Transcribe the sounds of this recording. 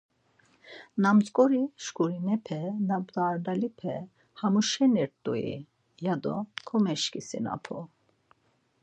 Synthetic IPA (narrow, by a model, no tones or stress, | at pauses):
namt̪kʼɔɾiʃkʼuɾinɛpʰɛnabd̪aːɾd̪alipʰɛ | hamuʃɛniɾt̪ʼuḭ | jad̪ɔ̰kʰɔmɛʃkʼisḭna̰pʰɔ